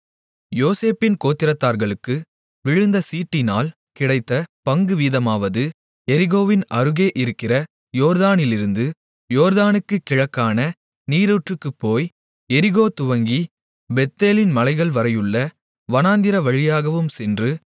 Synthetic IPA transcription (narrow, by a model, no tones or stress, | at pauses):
joːseːpɪnkoːt̪ːɪɾɐt̪ːaːɾɣɐɭɯkːɯ | ʋɪɻɯnd̪ɐsiːʈːɪnaːl | kɪɽɐɪt̪ːɐpɐŋɡɯʋiːðɐmaːʋɐðɯ | ɛɾɪɣoːʋɪnɐɾɯɣeːʔɪɾɯkːɪrɐ | joːɾðaːnɪlɪɾɯnd̪ɯ | joːɾðaːnɯkːɯkːɪɻɐkːaːnɐ | niːɾoːʈrɯkːɯpːoːj | ɛɾɪɣoːt̪ʊʋɐŋɡi | bɛt̪ːeːlɪnmɐlɐɪɣɐɭʋɐɾɐjɯɭːɐ | ʋɐnaːnd̪ɪɾɐʋɐɻɪjaːɣɐʋɯmsɛndrɯ